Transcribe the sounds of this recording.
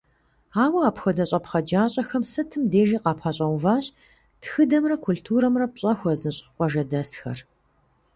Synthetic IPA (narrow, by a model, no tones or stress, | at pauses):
aːwɐaːpxɐdɐɕʼɐpχɐd͡ʒaːɕʼɐxɐmsɨtʰɨmdeːʒiːqɑːpʰaːɕʼɐwvaːɕ | txɨdɐmrɐkʰultʰuːɾɐmrɐpɕʼɐxʷɔzɨɕʼqʷɔʒɐdɐsxɐ̰r